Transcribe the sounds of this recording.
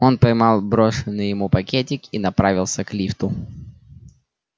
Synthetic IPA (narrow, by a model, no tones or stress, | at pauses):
o̞npɐjmɑlˠbɾo̞ʂɨnːɨjɪmupɐkʲetʲɪkinɐpɾavʲɪlˠsʲəklʲift̪ʊ